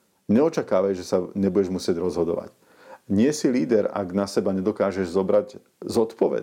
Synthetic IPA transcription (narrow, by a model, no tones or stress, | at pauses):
ɲɛɔt͡ʃakaːʋajʒɛsaɲɛbuɟɛʒmusɪɛɟɾɔzɦɔd̪ɔ̰ʋa̰c | ɲɪɛsiliːd̪ɛɾa̰ɡnasɛbaɲɛd̪ɔkaːʒɛʒzɔbɾaɟ | zɔt̪pɔʋɛ̰